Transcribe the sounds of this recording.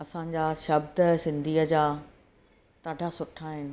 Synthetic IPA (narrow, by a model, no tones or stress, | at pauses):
ɐsãɲd͡ʑaːʃɐbd̪əsɪ̃nd̪ʱiːəd͡ʑaː | t̪aːɖʱasʊʈʰːaɦɪnɪ̆